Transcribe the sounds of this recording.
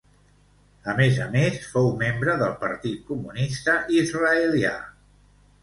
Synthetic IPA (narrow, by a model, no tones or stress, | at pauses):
əmezə̰mesfowmembɾəðəlˠpəɾt̪it̪̚kumunist̪əʔizrəəlia̰